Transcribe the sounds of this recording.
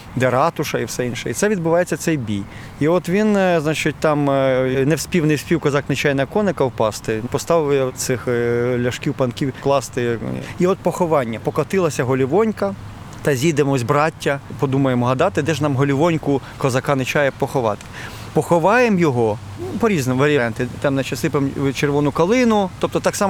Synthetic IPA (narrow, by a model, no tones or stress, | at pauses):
d̪ɛɾɑt̪ʊʃɐiwsɛinʃɛ̰it̪sɛʋʲid̪̚bʊʋɑjet͡sʲːɐt̪sɛjbʲij | iɔt̪ʋʲinznɑt͡ʃɪt̚ʲt̪ɑmnewsʲpʲiwnɪjwsʲpʲiwkɔzɑknɪt͡ʃɑjnɐkɔnekɐwpɑst̪ɪpɔst̪ɑʋjɛt̪sɪxlʲɐʃkʲiwpɐnkʲiwklˠɑst̪ɪiɔt̪̚pɔxɔʋɑnʲːɐpɔkɐt̪ɪlˠɐsʲɐɦɔlʲiʋɔnʲkɐ | t̪ɐzʲid̪emzʲbɾɑtʲːɐpɔd̪umɐjemɔɦɐd̪ɑt̪ɪd̪ɛʒnɑmɦɔlʲiʋɔnʲkʊkɔzɐkɑnɪt͡ʃɑjɛpɔxɔʋɑ̰t̪ɪ̥ | pɔxɔʋɑjemjɔɦɔ | pɔɾʲiznemʋɾʲɑnt̪ɪt̪ɑmnɛt͡ʃɐsɪpemt͡ʃerʋɔnʊkɐlˠɪnʊt̪ɔp̚t̪ɔt̪ɑksɑm